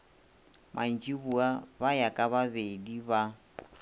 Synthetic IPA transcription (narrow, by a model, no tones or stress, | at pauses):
mʔan̩t͡ʃʼiβuabajakʼaβaβediβa